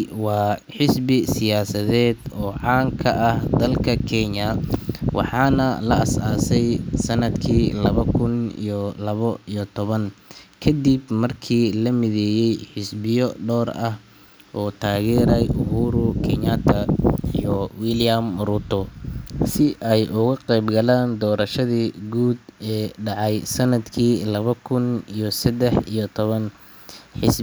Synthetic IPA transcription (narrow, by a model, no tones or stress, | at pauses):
wɑːħɪsbɪsɪjaːsɐðɛːd̪ɔːʕɑːŋkʰɐʔɐhd̪ɐlkʰɐkʰɛɲɐwɑ̰ħɑːnɐlɐ̰ɐsaːsɛjsɐnɐd̪kʰiːlɐβɐkʰʊnḭjɔlɐβɔijɔt̪ʰɔβɐnkʰɐd̪ibmɐrkʰiːlɐmɪðɛːjɛjħɪsbɪjɔɖɔːrɐh | ʔɔːt̪ʰaːɣɛːɾɛjʔʊɦuːɾʊkʰɛnat̪ʰɐijɔwiljɐmrut̪ʰɔsɪʔɛjʔʊɣɐqɛjbɡɐlaːnd̪ɔːɾɐʃɐðiːɡuːd̪ɛːɖɑʕɑjsɐnɐd̪kʰiːlɐβɐkʰʊnijɔsɐd̪ɛħijɔt̪ʰɔβɐn | ħɪs